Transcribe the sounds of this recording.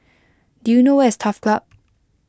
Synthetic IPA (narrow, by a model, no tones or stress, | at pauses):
d̥ujunowɛstʰafklap̚